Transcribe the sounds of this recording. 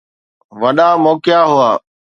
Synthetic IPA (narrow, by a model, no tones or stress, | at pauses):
ʋəɗaːmoːkɪjaːɦʊaː